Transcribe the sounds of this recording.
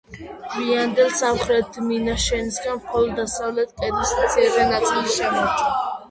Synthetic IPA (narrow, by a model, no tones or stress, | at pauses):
viand̪ɛlsamχɾɛt̪̚minaʃɛnisɡanmχɔlˠɔd̪ːasavlɛt̪̚ʰkʼɛd̪isat̪sʰɛvɛnat̪sʼilisʃɛmɔɾt͡ʃʰɔ